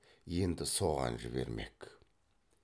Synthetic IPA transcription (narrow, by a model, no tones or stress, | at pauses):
je̞nd̪ɪso̞ʁɑ̰nʒɪβe̞ɾme̞̰k